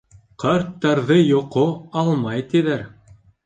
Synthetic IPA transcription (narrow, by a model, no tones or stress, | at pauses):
qʰɑɾt̪ːɑɾðɤjŏqoɑlˠmɑjt̪iðæɾ